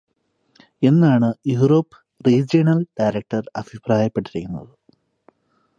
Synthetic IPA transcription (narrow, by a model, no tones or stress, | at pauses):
e̞nːaːɳɨjuːro̞ːpːɨ̥ | riːd͡ʑijɐnɐlɖajɾɐk̚ʈɐrɐbʱipraːjɐpːe̞ʈːiɾikʲːunːɐ̰ðɨ